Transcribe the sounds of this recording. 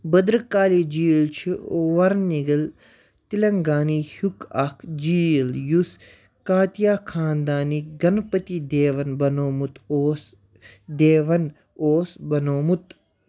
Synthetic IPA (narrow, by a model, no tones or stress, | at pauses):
bɐd̪ɾkaːliːd͡ʒiːlt͡ʃʰioʋɐɾniɡɐl | t̪ilɐŋɡaːnihukɐkʰd͡ʒiːljus | kaːt̪jaːkʰaːnd̪aːniɡɐnpɐt̪id̪eːʋɐnbɐnoːmut̪oːs | d̪eːʋɐn | oːsbɐnoːmut̪